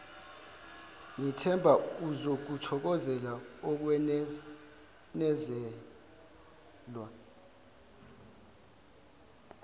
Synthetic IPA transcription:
ŋitʰɛmbʱauzok̬utʰɔk̬ɔzɛlaɔk̬wɛ | nɛzɛ | lwa

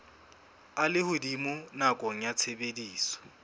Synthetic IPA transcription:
alɪhʊdimʊnakʼɔŋ̩jat͡sʰebediːsɔ̥

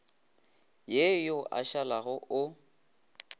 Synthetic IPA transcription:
jejoʔa̰ʃalaɣʊʔʊ

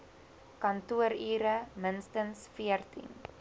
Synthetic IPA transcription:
kɐntuəɾiːɾəmənstənsfiərtḭn

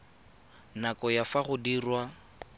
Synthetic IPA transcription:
nakʼɔjafaχʊdirwa

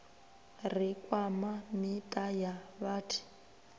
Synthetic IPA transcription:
r̤ikʼwamanitʼajaβaːtʰi̥

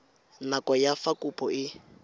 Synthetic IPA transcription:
nakʼɔjafakʼupʼɔɪ

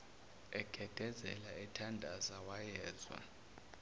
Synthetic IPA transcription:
ɛɡ̥ʱɛd̥ʱɛzɛ̰laɛtʰandʱazawajɛːzwa̰

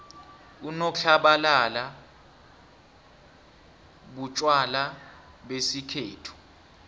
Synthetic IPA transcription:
unɔɬaɓalala | ɓut͡ʃʼwala | ɓesikʰeːtʰu̥

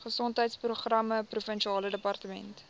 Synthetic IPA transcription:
χəsɔntɦəjtspruχrɐməprufənʃiɑːlədəpɐrtəmɛnt

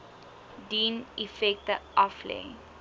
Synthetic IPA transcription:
diːnifɛk̚təʔɐflɛ̰ŋ

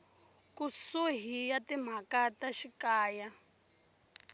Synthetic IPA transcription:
kusuɦijatim̤akataʃikaːja

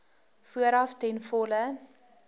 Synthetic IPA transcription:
fuəɾɐftɛnfɔlə

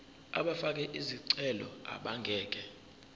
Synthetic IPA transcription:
a̰ɓafak̬ɛʔiziǀɛlɔ̰a̰ɓaŋɡʱɛːk̬ʼɛ

